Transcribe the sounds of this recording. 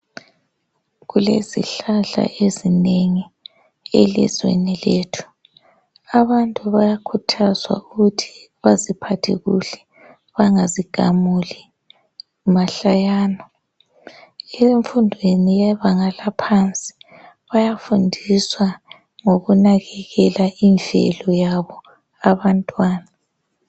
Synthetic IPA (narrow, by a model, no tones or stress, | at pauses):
ɣulḛzḭɬaɮa̰ʔezineŋi | ḛlḭzwḛnileːtʰu̥ | aβantʼuβajakʰutʰazwa̰uɣutʰi̥ | βazipʰatʰiɣuɬɛ̥ | βaŋaziɡ̥ʱa̰muli | umaɬajaːnɔ | eɱfundʱwenijɛβaŋalapʰant͡sʼi̥ | βajafundʱiswa | ŋoɣunaɣɛɣɛlaʔind͡ɮʱɛ̰lɔjaβɔ | aβantʼwaːna